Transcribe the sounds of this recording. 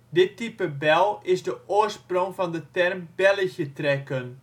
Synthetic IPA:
dɪtipəbɛlˠɪzdəʔʊərsproŋfɑndətɛrmb̥ɛləçjətrɛkən

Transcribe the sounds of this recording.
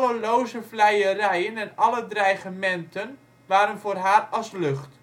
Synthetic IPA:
ləlowzəvlɛjərɛjənɛnɑlədrɛjχəmɛntən | ʋaːɾənvʊːrɦaːrɑslɵχt

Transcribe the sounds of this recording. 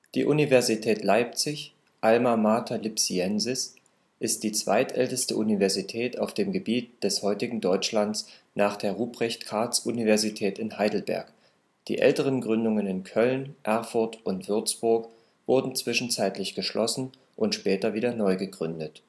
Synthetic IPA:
d̥ḭːʔunivɛɐzitʰɛːtlaɪp̚t͡sɪç | ʔalmamaːtʰalɪpsiɛnzɪs | ʔɪst̚d̥iːt͡sv̥a̰ɪtʔɛltəstəʔunivɛɐzitʰɛːtaʊfd̥eːmɡəbiːt̚d̥ɛshɔʏtɪɡŋ̩dɔʏt͡ʃlant͡s | nʔaːχd̥eːɐʁuːbʁɛçtkʰaɐt͡sʔunivɛɐzitʰɛːtɪnhaɪdl̩bɛ̰ɐk | d̥ḭːʔɛ̰ltəʁ̞ənɡʁʏndʊŋənɪnkʰœlnʔɛɐfʊɐtʊntv̥ʏɐt͡sb̥ʊɐk | v̥ʊɐdn̩t͡sv̥ɪʃn̩t͡saɪtlɪçɡ̥əʃlʔɔsn̩ | ʔʊntʃpɛːtɐviːdɐnɔʏɡəɡʁʏndət

